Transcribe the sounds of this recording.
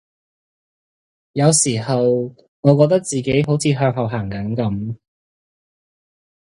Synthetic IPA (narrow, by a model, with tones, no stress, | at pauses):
jɐ˨˧wsiː˨˩hɐ˨w | ŋɔː˨˧k̬ɔː˧k̚t̪ɐ˥k̚t͡siː˨˩ke˨˥jɦo˨˥wt͡sʰiː˨˧ɦœː˧k̚ɦɐ˨˩wɦaː˨˩ŋkɐ˨˥nkɐ˨˥m